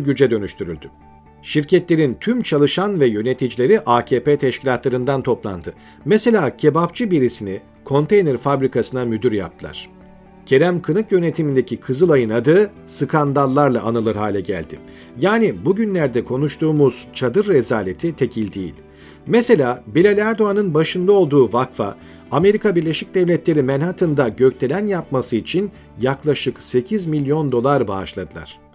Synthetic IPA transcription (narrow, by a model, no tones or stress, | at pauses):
ɟyd͡ʒɛd̪ø̞nyʃt̪ʰyɾy̰lʲd̪y | ʃiɾcʰɛt̪lʲeɾint̪ʰymt͡ʃʰalˠɯʃanvɛjø̞ne̞t̪ʰid͡ʒilʲe̞ɾiʔaːcʰeːpeːt̪ʰɛʃcʰilʲat̪lˠaɾɯnd̪ant̪ʰo̞plˠa̰nd̪ɯ | mɛse̞lʲaːcʰe̞bapt͡ʃʰɯbiɾisini | kʰo̞nt̪ʰe̞jnɛɾfabɾikʰasɯnamyd̪yɾja̰p̚t̪ʰɯlˠa̰ɾ̥ | cʰe̞ɾæmkʰɯnɯkjø̞net̪ʰimind̪ecʰikʰɯzɯlˠajɯnad̪ɯː | sɯkʰand̪alˠːaɾlˠaːnɯlˠɯɾɦaːlʲɛɟæ̰lʲd̪̥ɪ | jaːnibuɟynlʲæɾd̪ɛkʰo̞nuʃt̪ʰuːmuz̥t͡ʃʰad̪ɯɾːezaːlʲe̞t̪ʰit̪ʰe̞cʰilʲd̪ejḭlʲ | mese̞lʲaːbilʲelʲæɾd̪o̞anɯnbaʃɯnd̪ao̞lˠd̪uːvakfa̰ | ame̞ɾikabiɾlʲe̞ʃic̚d̪ɛvlʲɛt̪lʲe̞ɾimænhat̪ʰɯnd̪aɟø̞ct̪ʰelʲænjap̚masɯit͡ʃʰin | jaklˠaʃɯkse̞cʰizmilʲjo̞nd̪o̞lˠaɾbaːʃlˠad̪ɯlˠa̰ɾ̥